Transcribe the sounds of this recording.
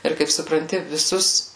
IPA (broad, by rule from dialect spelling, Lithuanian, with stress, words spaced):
ˈɪr kɐɪp sʊprɐnʲˈtʲɪ ʋʲɪˈsʊs